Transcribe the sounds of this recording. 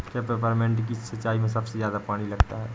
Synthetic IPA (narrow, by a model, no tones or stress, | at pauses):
kjapepəɾmẽːɳʈk̬isɐtːʃaːimẽs̬ɐbsezjaːd̪apaːɽ̃ilɐɡt̪aɦɛː